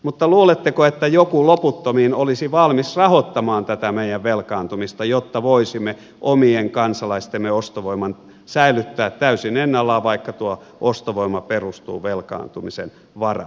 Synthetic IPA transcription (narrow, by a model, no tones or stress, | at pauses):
mut̪ːɑluːlet̪ːekoet̪ːæjokuloput̪ːomiːnolisiʋɑlmisrɑhot̪ːɑmɑːnt̪æt̪æmeijæʋʋelkɑːnt̪umist̪ɑjot̪ːɑʋoisimːe | ʔomieŋkɑnsɑlɑist̪emːeost̪oʋoimɑn | sæilyt̪ːæːt̪tæysinenːɑlːɑːʋɑikːɑt̪uo | ʔost̪oʋoimɑperust̪ṵːʋelkɑ̰ːnt̪umisen | ʋɑrɑ̰